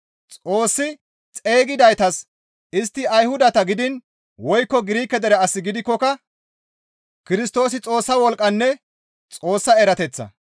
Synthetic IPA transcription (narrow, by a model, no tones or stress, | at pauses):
t͡sʼo̞ːsːɪ | t͡sʼeːɡɪd̪ɐjt̪ɐs | ɪst̪ːɪɐjhʊd̪ɐt̪ɐɡɪd̪ɪn | wɔjkːɔɡɪɾiːkːɛd̪ɛɾɛɐsːɪɡɪd̪ɪkːɔkɐ | kɪɾɪst̪o̞ːsɪt͡sʼo̞ːsːɐwɔlkʼːɐnːɛ | t͡sʼo̞ːsːɐɛɾɐt̪ɛt͡sːɐ̰